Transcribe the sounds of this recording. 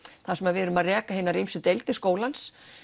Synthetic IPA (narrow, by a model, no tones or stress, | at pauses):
θasɛmaɾvɛːɾʏmaðrɛːkaɦɪːnaɾijmsʏt̪ejlt̪ɪskoːwlans